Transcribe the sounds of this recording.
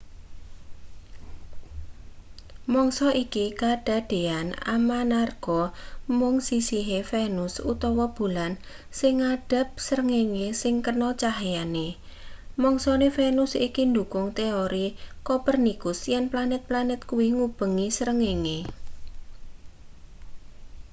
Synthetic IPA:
mɔŋsɔʔikikaɖ̥a̤ɖ̥e̤ana̰manarɡ̥ɔmʊŋsisiɦefenʊsut̪ɔwɔb̥ṳlan | sɪŋaɖ̥ə̤p̚səɾəŋeŋesɪŋkərnɔt͡ʃaɦjane | mɔŋsɔnefenʊsikind̪ukʊŋt̪eoɾikopərnikʊsjɛnplanɪt̪̚planɪt̪̚kuwiŋub̥ə̤ŋisəɾəŋeŋe

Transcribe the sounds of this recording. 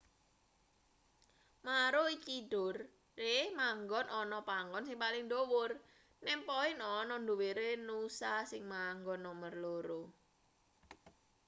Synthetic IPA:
maɾoit͡ʃiɖ̥ʊrː | emaŋɡɔnʔɔnɔpaŋɡɔnsɪŋpalɪŋdowʊr | nɛmpɔɪnɔnɔndoweɾenusasɪŋmaŋɡɔnːɔmərloɾo

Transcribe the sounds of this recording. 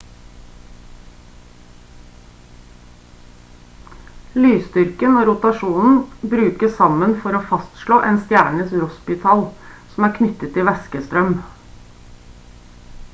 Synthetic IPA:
lyːst̪ʏɾkənoːɾʊt̪ɑʂuːnn̩bɾʉːkəssɑmənfɔɾoːfɑst̪ʃɭoːʔeːnst̪jæːɳəsɾɔspɪt̪ʰɑːlsm̩æːɾkʰnʏt̪ət̪ʰːɪʋɛskəst̪ɾœm

